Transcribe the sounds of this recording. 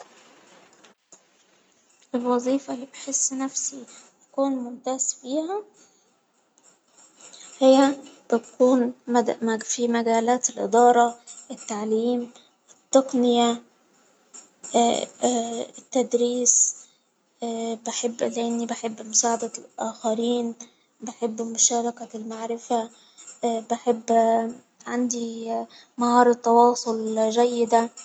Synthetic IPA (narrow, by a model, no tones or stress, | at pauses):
ʔelwɑzˤiːfɑlːiːbeħesːnæfsit̪æ̥kuːnmʊnt̪æːz̥fiːhæ | hɪjːæbɪt̪kuːn | fimæɡæːlæːt̪elʔḛd̪ɑːɾˤɑʔɪt̪ːaʕliːm | ɪt̪ːɑqnɪjæ | ɪt̪ːad̪ɾiːs | bɪħɪbːlʔɪnːibɪħɪbːmʊsaːʕad̪aʔaːxæɾiːn | bɪħɪbːmʊʃɑːɾˤɑkalmaʕɾɪfa | bɪħɪbː | ʕand̪i | mɑhɑːɾˤt̪ːɑwɑːsˤolʒæjːɪd̪a